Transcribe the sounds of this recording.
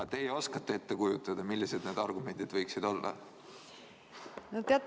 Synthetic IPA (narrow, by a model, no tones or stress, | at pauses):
ɑt̪e̞jo̞skɑt̪ːˑee̞t̪ːekujut̪ːˑɑd̪̥ɑmilːise̞d̪̥neːd̪̥ɑrɡume̞nd̪̥id̪̥vɤjksid̪̥o̞lːɑ̰ | not̪ːeɑt̪ː